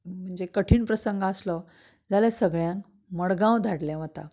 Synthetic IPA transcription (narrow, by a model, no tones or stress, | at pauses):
m̤əɳd͡zekəʈʰiːɳpɾəsəŋɡːslɔ | d͡zaljasəɡɭjãŋk | məɭɡãwd̪ʱaɽlɛʋ̤ət̪a̰